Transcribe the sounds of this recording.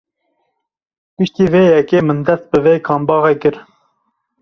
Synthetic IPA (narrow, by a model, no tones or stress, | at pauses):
pɨʃt̪iːveːjɛkeːmɨnd̪ɛst̪̚bɨveːkʰɑːmbɑːʁɛkɨɾ